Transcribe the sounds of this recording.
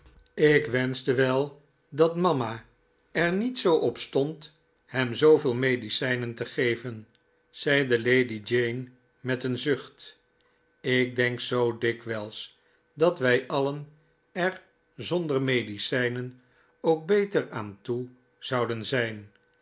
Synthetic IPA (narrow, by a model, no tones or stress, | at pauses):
ɪkʋɛnzdəʋɛlˠ | dɑtmɑma | ɛɹnitsowʔɔpstɔnt | hɛmzowvɪːlˠmejdisɛjnəntəχejvən | z̥ɛjdəlejdid͡ʒejn | mɛtənzʏχt | ɪk̚dɛŋksowdɪkʋɛlˠs | dɑtʋɛjʔɑlən | ɛr | zɔndəɹmejdisɛjnən | owk̚bejtəɹaːntu | z̥ɑwdənzɛjn